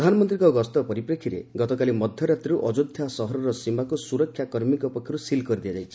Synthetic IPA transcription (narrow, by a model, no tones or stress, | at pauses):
d̪ʱanɔmɔnt̪ɾiŋkɔɡɔst̪ɔpɔɾipɾekʰiɾeɡɔt̪ɔkalimɔd̪ʱjɔɾat̪ɾiɾuʔɔd͡ʒud̪ʱjasɔɦɔɾɔɾɔsimakusuɾɔkʰːjakɔɾmikɔpɔkʰjɔɾusilkɔɾid̪iad͡ʒajt͡ʃʰi̥